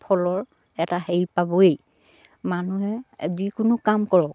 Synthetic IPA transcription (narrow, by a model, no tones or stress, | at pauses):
pʰɔlɔɹ | ɛtaheɹipabɔej | manuɦɛzikʊnʊkamkɔɹɔk̚